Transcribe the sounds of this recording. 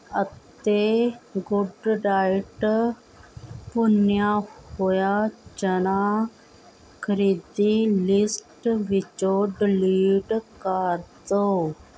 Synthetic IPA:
ət̪eɡuɖɖaːjʈ | punjahojad͡ʒəna | kʰəɾid̪ilisʈʋit͡ʃoɖliːɖkaɾt̪o

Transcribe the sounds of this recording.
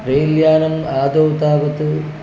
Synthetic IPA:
pɾejljaːnɐmaːd̪oːt̪aːʋɐt̪ːɨ

